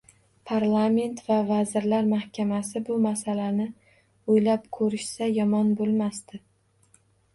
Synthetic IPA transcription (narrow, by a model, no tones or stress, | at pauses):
pʰaɾlˠame̞nt̪vavazɪɾlaɾmahkʲamasɪbʊmasalanɪ | ojlapkʰɵɾɪʃsajɒmɒnbolˠmast̪ɪ